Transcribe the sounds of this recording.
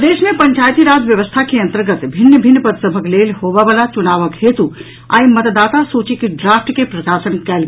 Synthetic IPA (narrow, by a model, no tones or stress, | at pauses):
d̪eːʃmẽpɐɲt͡ʃaːjət̪iɾaːd͡ʒʋjɐʋəst̪ʰakiɐ̃nt̪əɾɡət̪bʱɪnːəbʱɪnːəpəɾsəbʱəɡleːlɦoːʋaʋəlat͡ʃʊnaːʋəkɦeːt̪u | a̰ːimɐt̪d̪aːt̪asoːt͡ʃikiɖɾaːfʰʈkepɾɐsaːsənkɛːl